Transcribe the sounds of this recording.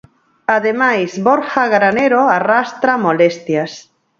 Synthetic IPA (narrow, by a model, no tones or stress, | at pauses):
aðemajzβoɾxaɣɾaneɾoarast̪ɾamolest̪jas